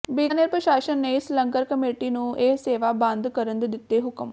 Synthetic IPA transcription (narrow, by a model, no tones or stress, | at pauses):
biːnəɾpɾəʃaːʃənːeːɪslə̃ŋkəɾkəmeːʈiːnũːʔeːseːʋaːbə̃nd̪kəɾənd̪d̪ɪt̪ːeːɦʊkəm